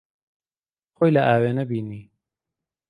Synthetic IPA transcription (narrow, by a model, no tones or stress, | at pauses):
xojlɐʔaːweːnɐbiːniː